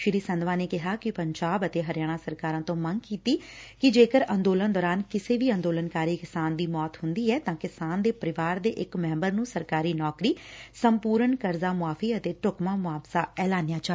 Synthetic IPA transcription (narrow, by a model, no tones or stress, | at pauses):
ʃɪɾiːsə̃nd̪ʋãːneːkɪɦaːkɪpəɲd͡ʒaːbət̪eːɦəɾɪjaːɽ̃ãːsəɾkaːɾãːt̪õːməŋɡkiːt̪iːkɪd͡ʒeːkəɾə̃nd̪oːlə̃nd̪ɔːɾaːnkɪseːʋiːə̃nd̪oːlənkaːɾiːkɪsaːnd̪iːmɔːt̪hʊnd̪iːɛːt̪ãːkɪsaːnd̪eːpəɾɪʋaːɾd̪eːʔɪkmɛ̃ːmbəɾnũːsəɾkaːɾiːnɔːkɾiːsəmpuːɾənkəɾzaːmʊaːfʰiːət̪eːʈʊkmãːmʊaːbsaːɛːlaːnɪjaːt͡ʃaː